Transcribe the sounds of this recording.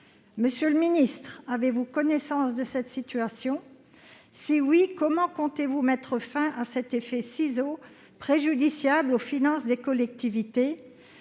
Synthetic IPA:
məsjøləminist̪χavevukɔnɛsɑ̃sd̪əsɛt̪sit̪yasjɔ̃ | siwikɔmɑ̃kɔ̃t̪evumɛt̪χəfɛ̃ʔasɛt̪efɛsizo | pχeʒyd̪isjablofinɑ̃sd̪ekɔlɛk̚t̪ivit̪e

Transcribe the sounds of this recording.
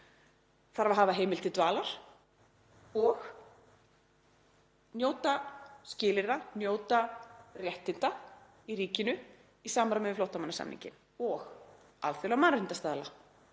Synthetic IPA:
θaɾvaɦaːvaɦeːjmɪlt̪ɪt̪vaːlaɾ̥ | ɔɣ | njoːwt̪ascɪːlɪɾanjoːwt̪arjɛht̪ɪnt̪a | iɾiːcɪnʏ | isaːmɾamɛvɪflowt̪amanːasa̰mnḭɲcɪ̰n | ɔɣ | a̰lθɪlamaɾɪnt̪ast̪aːðla

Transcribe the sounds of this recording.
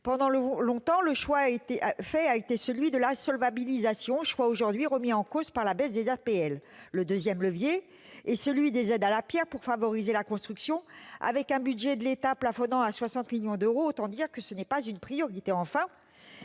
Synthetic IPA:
pɑ̃d̪ɑ̃lɔ̃t̪ɑ̃ləʃwaet̪efɛaet̪esəlɥid̪əlasɔlvabilizasjɔ̃ʃwaoʒuʁd̪ɥiʁəmiɑ̃kozpaʁlabɛsd̪ezɛʁpeɛlːəd̪øzjɛmləvjeː | səlɥid̪ezɛd̪alapjɛʁpuʁfavɔʁizelakɔ̃st̪χyksjɔ̃a̰vɛkɛ̃byd̪ʒɛd̪əlet̪aplafɔnɑ̃aswasɑ̃t̪miljɔ̃d̪øʁoot̪ɑ̃d̪iʁkəsənɛpazynpχijɔʁit̪eɑ̃fɛ̃

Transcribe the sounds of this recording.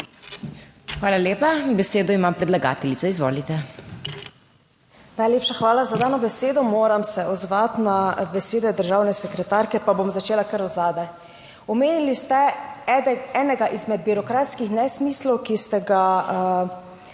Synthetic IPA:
xʋaːlaljeːpabɛseːd̪ɔimampɾɛd̪laɡa̰ːt̪ɛlit̪sɛizʋo̰ːlit̪ɛ | najleːpʃaxʋaːlazad̪aːnɔbɛseːd̪ɔmoːɾamsɛʔɔd̪zʋat̪nabɛseːd̪ɛd̪əɾʒaːwnɛsɛkɾɛt̪aɾkɛpabomzat͡ʃeːlakəɾɔd̪zaːd̪aj | ɔmeːnilist̪ɛ | ɛːnɛɡaʔizmɛd̪̚biɾɔkɾaːt̪skixnɛsmiːslɔwkist̪ɛɡa

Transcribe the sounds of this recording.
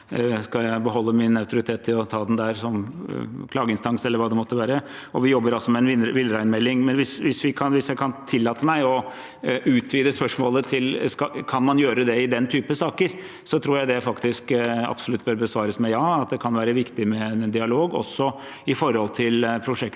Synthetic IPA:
skɑljæɪbəɦɔlːəmɪnɑʉt̪ʊɾɪt̪ʰeːt̪ʰːɪlɔt̪ʰɑːd̪ɛnd̪æɾsɔmkʰlɑːɡəɪnst̪ɑŋsɛlːəɾʋɑːd̪ɛmɔt̪ːəʋæːɾəɔʋɪjɔbːəɾɑlsɔmɛɛnɪʋɪlːɾæɪnmɛlːɪŋmɛnʋɪsʋɪsʋɪkʰɑnʋɪsjæɪkʰɑnt̪ʰɪlːɑːt̪əmæɪɔ | ʉːt̪ʰʋiːd̪əspœʂmoːlət̪ʰɪlskɑkʰɑnmɑnjøːɾəd̪ɛɪd̪ɛnt̪ʰyːpəsɑːkəɾ | sɔt̪ʰɾuːɾjæɪd̪ɛfɑkt̪ɪskɑ̰bsɔlʉt̪ːbœːɾbəsʋɑːɾəsmɛjɑːɑt̪̚d̪ɛkʰɑnʋæːɾəʋɪkt̪ɪmɛd̪ɪɑloːɡɔ̰sːɔ | ɪfɔɾɔlt̪ʰɪlpʰɾʊʂɛkt̪

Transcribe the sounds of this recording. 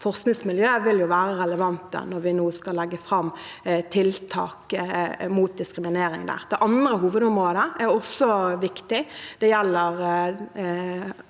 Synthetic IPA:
fɔʁsknɪŋsmɪljøːʋɪljʊʋæːʁəɾɛləʋɑnt̪ə̰nɔʁʋɪnuːskɑlɛɡːəfʁɑmt̪ʰɪlt̪ʰɑ̰ːkmuːt̪̚d̪ɪskɾɪmɪneːɾɪŋd̪æ̰ːʁd̪̥ɛʔɑnd̪ɾəɦuːʋəd̪ɔmʁoːd̪əʔæɾɔsɔʋɪkt̪ɪd̪̥ɛjɛlːəʁ

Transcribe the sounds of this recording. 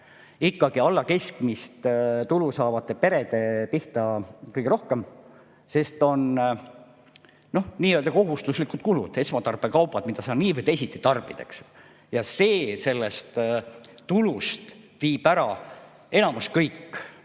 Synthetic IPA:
ikːˑɑɡ̥iɑlːɑke̞skmist̪t̪ulusɑːvɑt̪ːˑe̞pe̞ɾe̞d̪̥e̞piht̪ɑkɯjɡ̥eɾo̞hke̞m | se̞st̪o̞n | no̞hniːøld̪̥ɑko̞ɦust̪uslikːud̪̥̚kulṵd̪̥e̞smɑt̪ɑrb̥ekɑwpɑd̪mid̪̥ɑsɑːnniːvɤd̪e̞sʲit̪ːˑit̪ɑrb̥id̪ḛks | jɑse̞ːse̞lːest̪t̪ːulust̪ | viːb̥æɾɑ | e̞nɑmuskɤjkː

